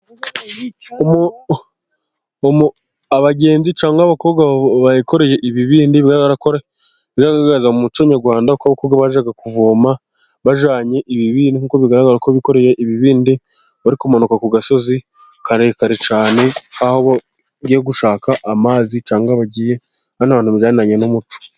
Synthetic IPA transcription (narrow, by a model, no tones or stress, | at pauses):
omu | m | aβaɟe̞ːnzit͡ʃaːŋɡaβako̞ːbɡwaβaiko̞ɾe̞je̞ʔiβiβiːndiβiɡaɾaɡaɾakoɾe | βiɡaɡaaɡaazaumut͡ʃoɲaɾɡwaːndakaβakoɡaβaʒaɡakuvoːma | βaʒaːɲe̞ʔiβiβinikukoβiɡaɾaɡaɾakoβiko̞ɾeje̞ʔiβiβiːndi | βaɾikumanukakuɡaso̞zi | kaɾe̞ːkaɾet͡ʃaːne̞aho̞βa | ɡijeɡuʃaːkaʔamaːzit͡ʃaːŋɡaβaɟiːje̞ | hanaβaːnhuβizaːninaɲenumut͡ʃo̥